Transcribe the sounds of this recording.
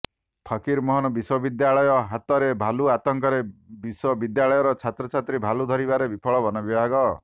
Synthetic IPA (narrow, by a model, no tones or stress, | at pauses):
pʰakiɾmɔɦɔnɔbiswɔbid̪jaɭɔjɔɦat̪ɔɾebʱaluat̪ɔŋkɔɾebiswɔbid̪jaɭɔjɔɾɔt͡ʃʰat̪ɾɔt͡ʃʰat̪ɾibʱalud̪ʱɔɾibaɾebipʰɔɭɔbɔnɔbibʱaɡɔ